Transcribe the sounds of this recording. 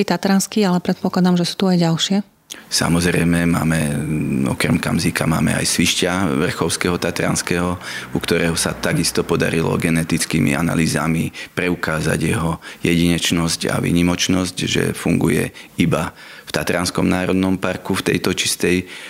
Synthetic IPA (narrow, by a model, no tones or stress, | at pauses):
it̪at̪ɾanskialɛpɾɛt̪̚pɔklad̪amʒɛsu̥ːt̪uajɟalʃɪɛ | sa̰mɔzɾɛjmɛma̰ːmɛɔ̰kɾɛmkamzikama̰ːmɛ̰a̰jsʋiʃcaʋr̩xɔʊskɛɦɔt̪at̪ɾa̰nskɛːɦɔukt̪ɔɾɛːɦɔsat̪aɡist̪ɔpɔd̪aɾilɔ̰ɡɛnɛt̪it͡skimḭʔana̰liːza̰mipɾɛukaːza̰ɟjɛɦɔjɛɟiɲɛt͡ʃnɔsca̰ʋḭːɲimɔt͡ʃnɔscʒɛ̰fuŋɡujɛ̰iba | ft̪at̪ɾanskɔmnaːɾɔd̪nɔmpaɾkuft̪ɛjt̪ɔt͡ʃi̥st̪ɛj